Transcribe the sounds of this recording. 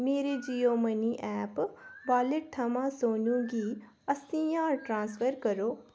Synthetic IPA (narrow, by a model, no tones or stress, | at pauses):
meːɾed͡ʒijoməniʔɛːpbaːleʈ̚t̪ʰːɐmãsoːnũɡi | ɐst̪ijaːɾʈɾãːnsfʰəɾkəɾoː